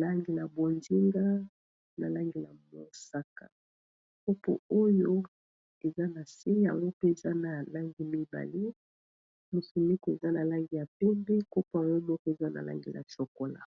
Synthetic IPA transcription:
la˦ŋɡi˨la˨bo˨nzi˦ŋɡa˦ | na˨la˦ŋɡi˨la˨mo˦sa˦ka̰˨ | ko˦po̰˨o˦jo˦ | e˨za˦na˨si˦ja̰˨ŋɡo˦pe˦e˨za˦na˨la˦ŋɡi˨mi˦ba̰˨li˦ | mo˨su˨mi˦ko˨e˨za˦na˨la˦ŋɡi˨ja˨pɛ˦mbe˦ko˦po˨a˨ŋɡo˦mɔ˦kɔ˦e˨za˦na̰˨la̰˦ŋɡḭ˨la̰˨t͡ʃo˨ko˦la̰˨

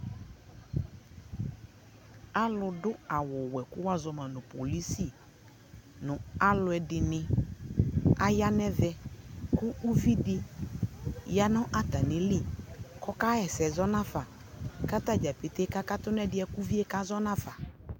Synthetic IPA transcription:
a˦lʊ˨dʊ˦a˨wʊ˨wɛ˨kʊ˦wa˦zɔ˨mã˨nʊ̃˨po˨li˦si˦˨ | nʊ̃˨a˦lʊ˨ɛ˨dɪ˨nɪ̃˨ | a˦ja˦nɛ˦vɛ˦kʊ˦u˦vi˦dɪ˦ | ja˦nɔ̃˦ʔa˨ta˨nɪ̃˨lɪ˦˨kɔ˦ka˦ɛ˨sɛ˨zɔ˦nã˦fa˨ | ka˦ta˦d͡ʒa˨pe˨te˦ka˦ka˦tʊ˦nɛ˦dɪ˦ɛ˨ku˦vi˦e˦ka˦zɔ˦nã˦fa˨

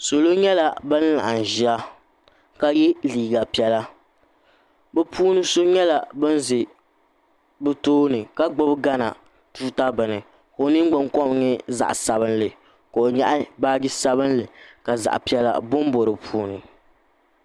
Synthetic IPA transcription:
so˨lo˦ɲɛ˦la˨bɨ˦n˦la̰˨ʔa˨n˨ʒi˨˦a˦ | ka˦jɛ˦liː˨ɡa˨pi˦ɛ˦la˦ | bɨ˦pʰuː˦nɨ˦so˦ɲɛ˦la˨bɨ˦n˦zɪ˨ | bɨ˦toː˦nɨ˨ka˦ɡ͡bʊ˦bɡa˦na̰˨ | tuː˦ta˦bɨ˨nɨ˨ | ko˨nɨ˦ŋ˦ɡ͡bɨ˦ŋkɔ˦m˨ɲɛ˦za̰˨ʔsa˨βɨ˦n˦lɨ˨ | ko˨o˨ɲa˦ʔa˦baː˦ɡɪ˦sa˦βɨ˦nlɨ˨ka˨za̰˨ʔpi˦ɛ˦la̰˦bʊ˦m˦bo˨ɾɨ˨pʰuː˦nɨ˨

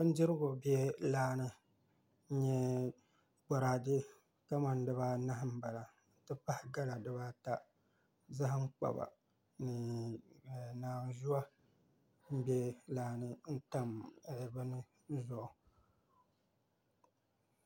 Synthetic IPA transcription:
bɨ˦n̩˦dɪ˦ɾɨ˦ɡʊ˨bjɛ˦laː˦nɨ˦ | n̩˦ɲɛ˦ | ɡ͡ba˨ɾaː˨dɨ˦ | ka˦ma˨n˦dɨ˦βa˦na˦hm̩˦ba˨la˨ | n̩˨˦tɨ˦pa˦hɡa˦la˨dɨ˦βa˦ta˦ | za˦ɦɨ˦ŋ͡mk͡pa̰˨ba̰˨ | nɨ˨ | naː˨zu˦a˦ | m̩˦bɛ˦laː˨nɨ˦n̩˦ta˦m˨bɨ˦nɨ˦ | zʊ˨ʔʊ˨

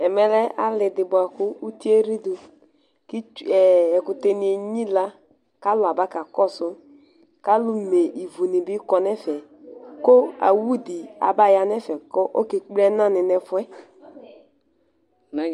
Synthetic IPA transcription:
ɛ˨mɛ˦lɛ˦ʔa˦lɪ˨dɪ˨bʊ˨a˨kʊ˦u˦ti˦e˦ɾi˦du˧ | ki˦˨ɛ˨kʊ˨te˧ni˨˦e˨ɲi˦la˦ | ka˦lʊ˨a˨ba˦ka˨kɔ˦˨sʊ˦ | ka˦lu˦me˨ʔi˨vu˨ni˨bi˦kɔ˧nɛ˦fɛ˨ | ko˦a̰˨wu˦di˨a̰˨ba˦˨ja˧˨nɛ˦fɛ˨kɔ˦ʔo˦ke˨k͡pɛ˦na˦˨nɪ˨nɛ˨fʊ˦ɛ˦˨

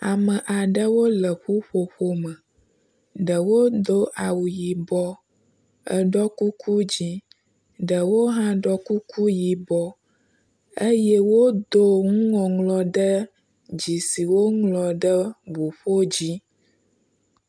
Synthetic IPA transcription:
a˨mə˨ʔa˨ɖə˦wo˦lə˨ɸu˦ɸo˨ɸo˦mə˨ | ɖə˨wo˦d̪o˦ʔa˨wu˨ji˨bɔ˦ | ə˦ɖɔ˦ku˦kʰu˦d͡ʑi˦ | ɖə˨wo˦ɦã˦ɖɔ˦ku˦kʰu˦ji˨bɔ˦ | ə˦jɛ˦wo˦d̪o˦ŋũ˦ŋɔ̃˨ŋlɔ˨ɖə˦ | d͡ʑi˨si˨wo˦ŋlɔ˨ɖə˦bu˨ɸo˦d͡ʑi˦

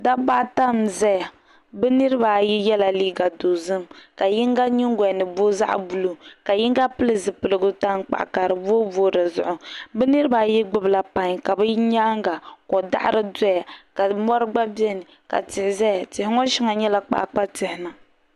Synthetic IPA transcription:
da˦ba˦ʔta˦mzɛ˦ja˨ | bɛ˦nɨ˦ɾɨ˦ba˨ji˦jɛ˦la˨liː˦ɡa˨do˨zɨ˦mka˨ji˦ŋɡa˦ɲi˦ŋɡɛ˨nɨ˨boː˦za̰˦ʔbu˨lo˨ka˨ji˦ŋɡa˦pɨ˦lɨ˨zɨ˨pɨ˨lɨ˨ɡʊ˦ta˦n˦k͡pa̰˨ʔka˨ɾɨ˨boː˦voː˦dɨ˨zʊ̰˨ʔʊ˨bɛ˦nɨ˦ɾɨ˦ba˨ji˦ɡ͡bɨ˦bɨ˨la˨pa˦ɲ˨ka˨bɛ˦ɲaː˦ŋɡa˨kɔ˨da̰˦ʔɾɨ˦dɔ˦ja˨ka˨mɔ˦ɾɨ˦ɡ͡ba˦bi˦ɛ˦nɨ˨ | ka̰˨tɪ˨hɪ˨zɛ˦a˨tɪ˨hɪ˦ŋɔ˦ʃi˦ŋa˨ɲɛ˦la˦k͡pa̰˦ʔk͡pa˦tɪ˨hɪ˨na˨

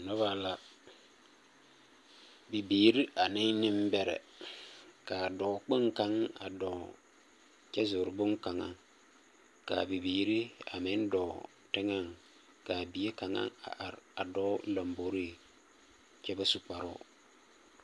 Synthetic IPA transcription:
nʊ˦βa˦˨la˨ | bi˨biː˨ɾi˦a˨nɪ˦nɪ˦m˦bɛ˨ɾɛ̰˨ | ka˨dɔ˨˦k͡pɪ˦ŋka˦ŋa̰˨dɔ˨ | t͡ʃɛ˦zʊ˨ɾbʊ˦ŋka˨ŋa̰˦ŋ | ka̰˨bi˨biː˨ɾi˦a̰˨mɪ˦n˦dɔː˨ | tɪ˦ŋa˦˨ŋ | ka˨bi˨e˦ka˨ŋa̰˦ŋa̰˨ʔa˨ɾa˨dɔ˦la˨mbo˨˦ɾi˦˨ | t͡ʃɛ˦ba˦su˦k͡pa˨ɾʊ̰˦˨

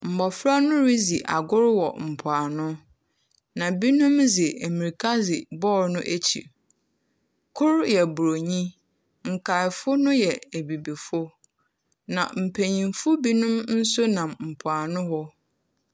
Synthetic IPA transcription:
m̩˨bɔ˨fɾa˦nʊ̃˦ɾi˦zi˨ʔa̰˨ɡʊ˦ɾwɔ̰˨m̩˨pʰʊ˨a˨nʊ̃˦ | nã˨bi˦nʊ̃˦mzɪ˨e˨mĩ˨ɾkʰa˦zɪ˨bɔː˦˨ɾnʊ̃˦ʔæ˦t͡ɕʰḭ˨ | kʰʊ˦ɾjɛ˨bu˨ɾo˨ɲĩ˦ | ŋ̩˨kʰa˨ɪ˨fʊ˦nʊ̃˦jɛ˨e˨bi˨bi˨fʊ˦ | nã̰˨m̩˨pʰæ˨ɲĩ˨mfʊ˦bi˦nʊ̃˦mn̩˦sʊ˦nã˨mm̩˨pʰʊ˨a˨nʊ̃˦hɔ˦

